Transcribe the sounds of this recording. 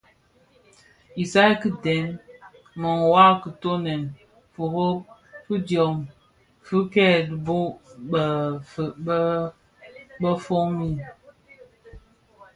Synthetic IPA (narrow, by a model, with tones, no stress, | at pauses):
i˨sa˦ki˦dɛ˨˦n | mɔ˨ŋ˨wa˦kə˨to˦nɛ˨n | fu˨ɣo˦ | fɨ˦djɔ˨m | fɨ˦kɛ˦˨dbo˦bə˨f | bə˦fo˦ŋi˦˨